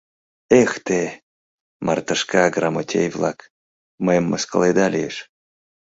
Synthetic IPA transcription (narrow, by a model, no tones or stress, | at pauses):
ext̪e | mʔart̪əʃkaɡramot̪ʲḛjvlˠak | məjəmːəskə̰lˠed̪alʲiḛʃ